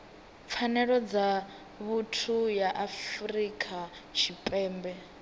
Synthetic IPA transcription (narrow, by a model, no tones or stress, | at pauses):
p̪fʰanɛɺɔd͡za | βutʰujaʔafrikʼat͡ʃʰipʼɛːmbɛ